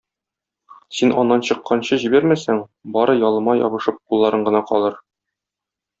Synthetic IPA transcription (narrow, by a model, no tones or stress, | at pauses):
sinʔɒnːɑnɕɤ̆qːɑnɕɤʑibæɾmæsæŋbɒɾɤjɒlˠɤ̆mɑjɒ̰bɤ̆ʃɤp̚qulˠːɑɾɤɴɢɤ̆nɑqɒ̰lˠɤɾ